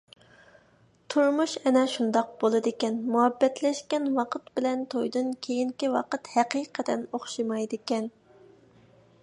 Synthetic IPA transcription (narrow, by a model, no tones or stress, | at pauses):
t̪ʰuɾmuʃɛnɛʃund̪ɑq̚b̥olˠɨd̪ɨkʲɛnmuɦɛbːɛt̪ʰlɛʃkʲɛnwɑqʰət̪bɪlɛnt̪ʰojd̪ɨnkʲʰejiŋkʲiwɑqət̪hæqijqʰəd̪ɛnoχʃimɑjd̪ɪkʲɛn